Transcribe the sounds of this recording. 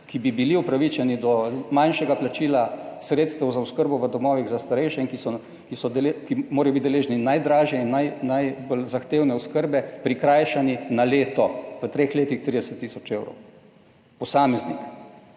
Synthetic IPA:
kibibiliupɾaʋit͡ʃɛnid̪ɔmajnʃɛɡaplat͡ʃiːlasɾeːt̪st̪ɛwzauskəɾbɔʋəd̪ɔmɔːʋiɣzast̪aɾɛjʃɛinkisɔ | kisɔd̪ɛlekimoːɾaɐjobit̪d̪ɛleːʒninajd̪ɾaːʒjɛinːajnajbolzaxt̪eːwnɛuskəɾbɛpɾikɾaːjʃaninaleːt̪ɔʋət̪ɾeːxleːt̪ixt̪ɾiːd̪ɛsət̪ːiːsɔt͡ʃewɾɔ̰w | pɔsaːmɛznḭk

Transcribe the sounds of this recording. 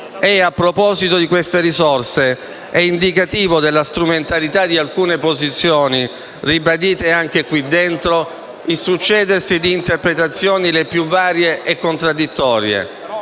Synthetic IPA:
ɛapːɾopɔːzit̪od̪ikwest̪eɾizɔrse | ɛind̪ikat̪iːvod̪elːast̪ɾument̪alit̪ad̪ialkuːnepozit̪sːjoːni | ribad̪iːt̪eaŋk̟ekwid̪ːent̪ɾo | ilsut͡ʃːɛːd̪ersid̪iːnt̪erpɾet̪at̪sːjoːnilepjuvaːɾjeʔekːont̪ɾad̪ːit̪ːɔːɾjḛ

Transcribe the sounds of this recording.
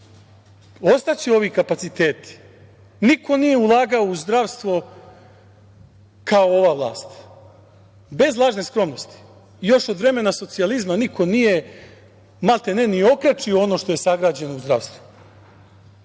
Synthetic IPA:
o̞st̪at͡ɕio̞ʋikapat̪sit̪e̞ːt̪i̥ | nikʰo̞nije̞ulˠaːɡaouzd̪ɾaʋst̪ʋo̞ | kao̞o̞ʋaːʋlˠa̰ːst̪ | be̞zlˠaːʒne̞skɾo̞mnost̪i̥ | jo̞ʃo̞d̪ʋɾe̞me̞naso̞t̪sializmanikʰo̞nije̞ | malt̪e̞nenio̞kɾat͡ʃioono̞ːʃt̪o̞je̞saɡɾaːd͡ʑe̞no̞uzd̪ɾa̰ʋst̪vu̥

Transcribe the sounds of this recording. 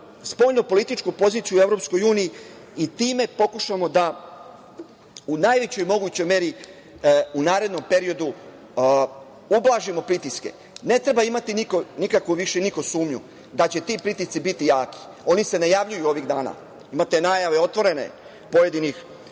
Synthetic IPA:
spoʎnopo̞lit̪it͡ʃkupo̞ziːt̪sijue̞ʋɾo̞ːpsko̞juːniː | it̪iːme̞po̞kuʃamo̞d̪a | unajʋe̞t͡ɕo̞jmo̞ɡuːt͡ɕo̞jme̞ɾi | unaːɾe̞d̪no̞mpe̞ɾio̞d̪u | ublˠaʒimo̞pɾit̪iske̞̰ | ne̞t̪ɾe̞baimat̪iniko̞nikakʋuʋiʃeniko̞suːmɲṵ | d̪at͡ɕe̞t̪ipɾit̪ist̪sibit̪ijaːki̥ | o̞nise̞najaʋʎujuo̞ʋiɣd̪aːna̰ː | imat̪e̞naːjaʋe̞o̞t̪ʋo̞ɾe̞nḛ | poje̞d̪inix

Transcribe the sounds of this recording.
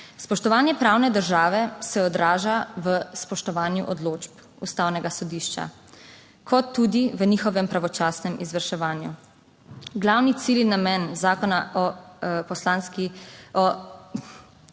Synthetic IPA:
spɔʃt̪ɔʋaːnjɛpɾaːwnɛd̪əɾʒaːʋɛsɛɔd̪ɾaːʒaʋəspɔʃt̪ɔʋaːnjṵʔɔd̪loːd͡ʒp | ṵst̪aːwnɛɡasɔd̪iːʃt͡ʃa̰ | kʰɔt̪ːud̪iʋənixɔʋɛmpɾaʋɔt͡ʃaːsnɛmizʋəɾʃɛʋaːnju | ɡlawnit̪siːlinamɛnzaːkɔnaɔpɔslaːnskiɔ

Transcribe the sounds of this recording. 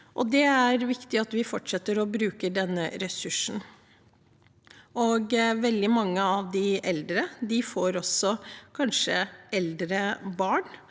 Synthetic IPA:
ʔɔd̪ɛæɾʋɪkt̪ɪɑt̪ʋɪfɔʈʂɛt̪ːəɾɔbɾʉːkəɖɛnːəɾɛsʉʂn̩ | ʔɔɡʋɛld̪ɪmɑŋːəɑʋd̪ɪʔɛld̪ɾəd̪ɪfoːɾɔsɔkʰɑnʂəɛld̪ɾəbɑːɳ

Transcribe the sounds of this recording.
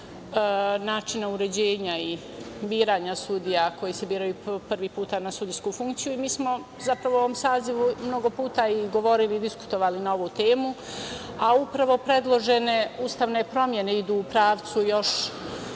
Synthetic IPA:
naːt͡ʃinauɾe̞d͡ʑeːɲai | biːɾaːɲasud̪ijako̞jise̞biːɾajupr̩ʋiːpuːt̪anasud̪iskufuŋkt̪sijuimiːsmo̞ | zapɾaʋooomsaːziʋumno̞ɡo̞puːt̪aiɡo̞ʋo̞ɾiliːd̪isku̥t̪o̞ʋaːlinao̞ʋuːt̪e̞ːmu | aupɾaʋo̞pɾe̞d̪lˠo̞ʒene̞uːst̪aːʋne̞pɾo̞mje̞ne̞id̪uːpɾaːʋt̪sujo̞ʃ

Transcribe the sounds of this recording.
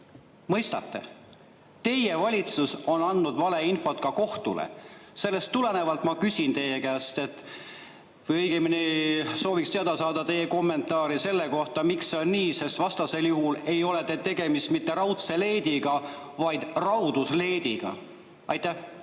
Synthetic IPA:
mɤ̞jst̪ɑ̰t̪ːe̞̰ | t̪e̞jevɑlʲit̪suso̞nɑnːud̪vɑle̞info̞t̪kɑko̞ht̪ṵlḛse̞lːe̞st̪ːule̞ne̞vɑlt̪ˑmɑkysʲint̪e̞jekæːst̪e̞t̪ː | vɤjɤjɡ̥eminiso̞ːvikst̪eɑd̪̥ɑsɑːd̪̥ɑt̪e̞jeko̞mːe̞nt̪ːˑɑːɾise̞lːe̞ko̞ht̪ɑmiksːeo̞nːiːse̞st̪vɑst̪ɑse̞ljuɦule̞jo̞le̞t̪et̪e̞ɡe̞mist̪mit̪ːe̞ɾɑwt̪se̞le̞ːd̪iɡɑ | vɑjd̪̥rɑwd̪usle̞ːd̪iɡ̥ɑ̰ | ɑjt̪ːˑæh

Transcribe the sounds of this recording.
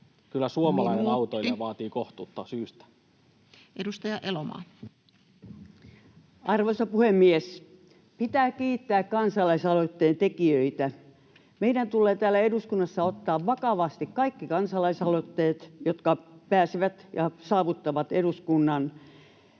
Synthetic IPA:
kylːˑæsuomɑlɑinenɑut̪oilɑʋɑːt̪iːkoht̪uːt̪ːɑsyːst̪æ̥ | ʔedust̪ɑjɑʔelomɑ̰ː | ɑrʋoisɑpuhemːies | pit̪æːkiːt̪ːæːkkɑnsɑlɑisɑlot̪ːeːnt̪ekiøit̪æ | meidænt̪ulːˑeːt̪æːlːˑæeduskunːɑsːɑot̪ːɑːʋʋɑkɑʋɑst̪ikkɑikːikɑnsɑlɑisɑlot̪ːeːt̪jot̪kɑpæːsiʋæt̪jɑsɑːʋut̪ːɑʋɑt̪eduskunːɑn

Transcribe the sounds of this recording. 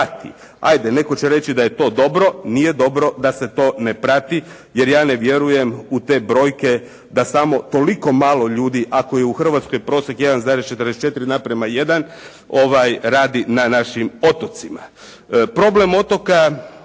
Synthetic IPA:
at̪ḭ | a̰jd̪e̞ne̞ko̞t͡ɕeɾe̞t͡ɕid̪aje̞t̪o̞ːd̪o̞bɾo̞nije̞d̪o̞bɾo̞d̪ase̞t̪o̞ːnepɾat̪i | je̞ɾjaːne̞ʋje̞ɾuje̞mut̪e̞bɾo̞ːjke̞ | d̪asamo̞t̪o̞liko̞maːlˠo̞ʎuːd̪iʔako̞je̞uxr̩ʋat̪sko̞jpɾo̞ːsekje̞d̪anzaːɾest͡ʃet̪ɾd̪eset͡ʃe̞t̪iɾid̪anapɾemaje̞d̪an | o̞ʋajɾaːd̪inanaʃimo̞t̪o̞t̪sima | pɾo̞ble̞mo̞t̪o̞ka

